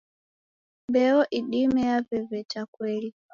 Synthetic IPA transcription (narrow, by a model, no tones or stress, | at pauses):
mbɛɔʔiɗimɛavɛvɛt͡ʃakwɛli